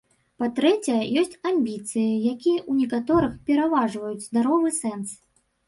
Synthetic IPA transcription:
pat̪ɾɛt͡sʲɛjɐjɔsʲt͡sʲamʲbʲit̪sɨjijakʲijɐʔunʲɛkat̪ɔɾɨxpʲɛɾavaʐvɐjut͡sʲzd̪aɾɔvɨsɛns

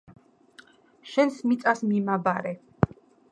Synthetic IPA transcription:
ʃɛnsmit̪sʼasmimabaɾɛ

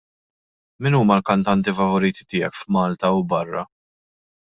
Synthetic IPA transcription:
mɪnuːmɐlkɐnt̪ɐnt̪ifɐvɔɾiːt̪ɪ̥t̪ɪːɛkfmɐːlt̪ɐwbɐrːɐ̰

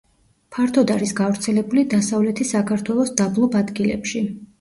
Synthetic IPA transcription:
pʰaɾt̪ʰɔd̪aɾisɡavɾt̪sʰɛlɛbulid̪asavlɛt̪ʰisakʰaɾt̪ʰwɛlˠɔsd̪ablˠɔbad̪ɡilɛ̰pʃi

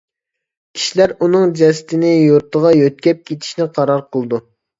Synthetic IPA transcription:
kʲʰi̥ʃilæɾunɨŋd͡ʒɛsɪ̥t̪ʰɪnɪjuɾt̪ʰəʁɑjøt̪̚kʲɛp̚kʲʰet̪ʰɪ̥ʃnɪqʰɑɾɑɾqʰəlˠɨd̪u

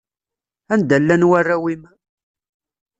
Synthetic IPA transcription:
ænd̪ælːænwarːawim

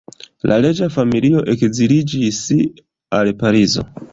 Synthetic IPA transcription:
lʔa̰le̞d͡ʒafamilio̞ʔe̞kzilid͡ʒis | alpaɾizo̞̰

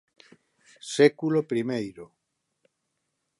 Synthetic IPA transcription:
sekulopɾimejɾo

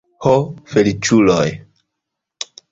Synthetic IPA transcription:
hofelit͡ʃuloj

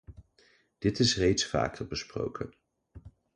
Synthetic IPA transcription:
d̥ɪtɪsrejtsfa̰ːkərbəspro̰wkʰən

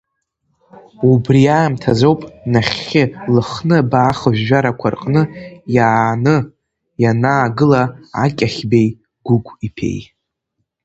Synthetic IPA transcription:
ubrijaːmtʰazo̞wpʼnaχʲɪlɨχnɨbaːχəʒʷᶣːaɾakʷʰarqʼnɨjaːnɨ | janaːɡɨlaakʲʼaχʲbe̞j | ɡ̥ʷʊkʷʰʼipʰe̞̰j

